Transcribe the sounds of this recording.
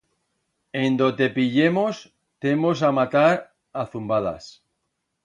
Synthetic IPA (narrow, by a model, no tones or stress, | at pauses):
end̪ot̪epiʎemos | t̪emosamat̪aɾ | aθumbaða̰s